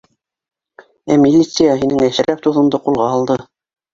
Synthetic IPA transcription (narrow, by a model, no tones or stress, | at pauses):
æmʲilʲːit̪sɨjaɦinɘŋæʃɘ̆ɾæp̚t̪uðɤ̆md̪ɤqulˠʁɑɑlˠd̪ɤ